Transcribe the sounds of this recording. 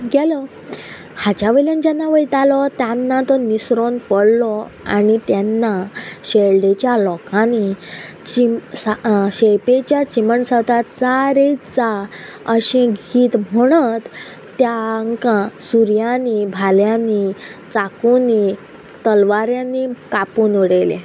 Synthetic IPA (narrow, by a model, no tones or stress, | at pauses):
ɡɛlɔ | hat͡ɕaʋeljãnd͡ʑanːaʋəjt̪alɔt̪janːat̪ɔnisɾonpəɽlɔ | a̰nit̪janːaɕeɭɖet͡ɕjalɔkãni | t͡ɕisɕejpet͡ɕjat͡ɕiməɳsət̪at͡saɾet͡saəɕẽɡʱiːt̪m̤əɽ̃ət̪ː | jaŋkãsuɾjanːibʱaljanit͡sakuni | t̪əlʋaɾjãnːikapuːnʋəɽelḛ